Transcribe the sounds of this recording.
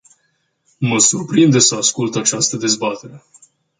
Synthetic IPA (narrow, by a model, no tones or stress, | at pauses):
məsurpɾind̪e̞səaskult̪at͡ʃast̪əd̪e̞zbat̪e̞ɾe̞